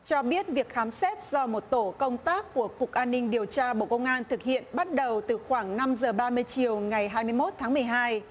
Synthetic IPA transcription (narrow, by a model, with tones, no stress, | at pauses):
t͡ɕɔ˧ɓi˦˥ət̚vi˨˩ək̚xaː˨˦msɛ˦˥t̚z̥ɔ˧mo˨˩t̚t̪o˧˩kə˧wŋ͡mt̪aː˦˥kːu˧˩əkʊ˨˩k̚ʔaː˧nːï˧ŋɗi˨˩əwt͡ɕaː˧ɓo̰˧˨kə˧wŋ͡mʔaː˧nt̪ʰɨ˨˩k̚hḭ˧˨ənɓa˦˥t̚ɗə˨˩wt̪ɨ˨˩xwaː˧˩ŋna˧mzəː˨˩ɓaː˧mɨ˧əjt͡ɕi˨˩əwŋa˨˩jɦaː˧jmɨ˧əjmo˦˥t̚t̪ʰaː˨˦ŋmɨ˨˩əjɦaː˧j